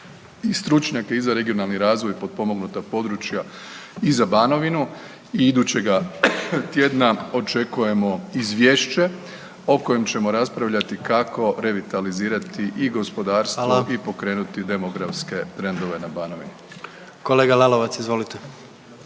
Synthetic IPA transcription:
ist̪ɾut͡ʃɲake̞izaɾe̞ɡio̞nalˠniɾaːzʋo̞jpo̞d̪̚po̞mo̞ɡnut̪apo̞d̪ɾut͡ʃjaizabaːno̞ʋinu | iid̪ut͡ɕe̞ɡat̪je̞ːd̪nao̞t͡ʃe̞kuje̞mo̞izʋje̞ːʃt͡ʃe̞ | o̞ko̞je̞mt͡ɕe̞mo̞ɾaspɾaʋʎat̪ikako̞ɾe̞ʋit̪aliziːɾat̪iʔiɡo̞spo̞d̪aːɾst̪ʋoipo̞kɾe̞ːnut̪id̪e̞moɡɾafske̞t̪ɾe̞nd̪o̞ʋe̞nabaːnoʋḭni | koleːɡalaloʋatsizʋolit̪e

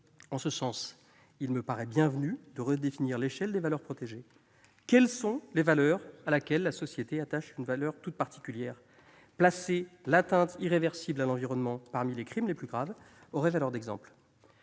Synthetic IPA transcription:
ɑ̃səsɑ̃s | ilməpaʁɛbjɛ̃vnyd̪əʁəd̪efiniʁleʃɛld̪evalœʁpχɔt̪eʒe | kʲɛlsɔ̃levalœʁalakʲɛlːasɔsjet̪eat̪aʃynvalœʁt̪ut̪̚paʁt̪i̥kʲyljɛːʁ | plaselat̪ɛ̃t̪iʁevɛʁsiblalɑ̃viʁɔnmɑ̃paʁmilekχimleplyɡʁav | ɔʁɛvalœʁd̪ɛɡzɑ̰̃pl

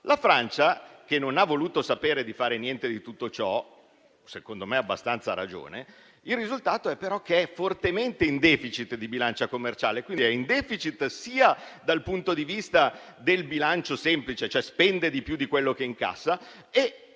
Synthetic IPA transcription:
lafɾant͡ʃak̟enːonavːoluːt̪osapeːɾed̪ifaːɾenjɛnt̪ed̪it̪ut̪ːot͡ʃɔ | sekond̪omeabːast̪ant̪saɾa̰d͡ʒo̰ːne | ilːizult̪aːt̪oɛpːeɾɔk̟ːeɛfort̪ement̪eind̪ɛːfit͡ʃit̪d̪ibilant͡ʃakomːert͡ʃaːlekwind̪iɛind̪ɛːfit͡ʃit̪siːad̪alpunt̪od̪ivist̪a | d̪elbilant͡ʃosɛmplit͡ʃet͡ʃoɛspɛnd̪ed̪ipjud̪ikwelːok̟eiŋka̰sːa | e

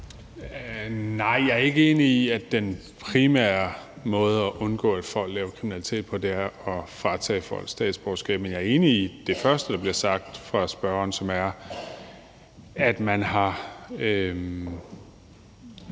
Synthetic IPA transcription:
nɑ̈ɪ̰jɑ̈æɐe̝ɡ̥əe̝ːniiæd̥en | pʰʁimæɐɐ | mɔ̽ːð̞̩ˠəɒʔɔ̽nɡ̥ɔ̰̽ːæd̥fɒ̽l̰ɡ̥lɛːʊɐkʰʁiminælit͡sʰe̝̰ːd̥̚pʰɒ̽d̥æɐɒ̽fʁɑ̈t͡sʰɛ̰ːfɒ̽l̰̥sd̥ɛ̰ːd̥sb̥ɒʊsɡ̥ɛ̰ːb̥menjɑ̈æɐe̝ːniːd̥e̝fɶɐsd̥əd̥ɑ̈b̥liɐsɑ̈ɡ̥̚d̥fʁɑ̈sb̥ɶɐɐnsɒ̽mæɐ | æd̥mænɦɑ̈ø

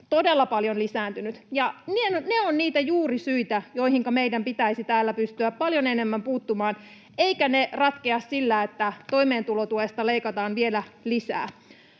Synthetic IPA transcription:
t̪odelːɑpɑljonlisæːnt̪ynyt̪jɑnienneonniːt̪æjuːrisyit̪æjo̞ihiŋkɑmeidæmpit̪æisit̪æːlːæpyst̪yæppɑljonenemːæmpuːt̪ːumɑːn | eikænerɑt̪keɑssilːæːet̪ːæt̪oimeːnt̪ulot̪uest̪ɑleikɑt̪ɑːnʋielælisæ̰ː

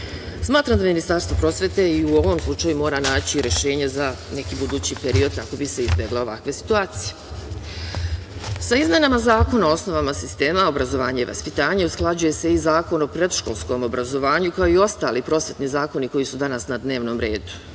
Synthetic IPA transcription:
smaːt̪ɾamd̪aminist̪aɾst̪ʋopɾo̞ːsʋe̞t̪e̞iuo̞ʋo̞mslˠut͡ʃajumo̞ːɾanaːt͡ɕiɾe̞ʃe̞ːɲezane̞kibud̪uːt͡ɕipeɾio̞d̪̚kako̞bise̞izbje̞ɡleo̞ʋa̰kʋe̞si̥t̪uaːt̪sije̞ | saizmje̞namazaːko̞naoo̞sno̞ʋamasist̪e̞ːmao̞bɾazo̞ʋaːɲaiʋa̰spit̪aːɲausklˠad͡ʑuje̞se̞izaːko̞no̞pɾe̞d̪ʃkolˠsko̞mo̞bɾazo̞ʋaːɲukao̞io̞st̪aːlipɾo̞ːsʋe̞t̪nizaːko̞niko̞jisud̪anasnad̪ne̞ːʋno̞ːmɾe̞ːd̪u̥

